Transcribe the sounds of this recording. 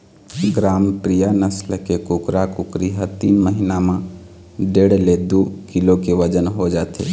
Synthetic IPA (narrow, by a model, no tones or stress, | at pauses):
ɡɾaːmpɾijanəslkekʊkɾakʊkɾiɦət̪iːnməɦinamã | ɖeːɽled̪okɪlokeʋəd͡ʒənɦod͡ʒaːt̪ʰḛ